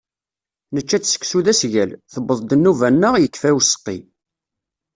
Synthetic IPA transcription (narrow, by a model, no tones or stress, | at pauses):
nət͡ʃːæt͡sːsə̥ksuðæsʝælθəbəðˤd̪ənːuvænːəʁjəkːfæwsə̥qːḭ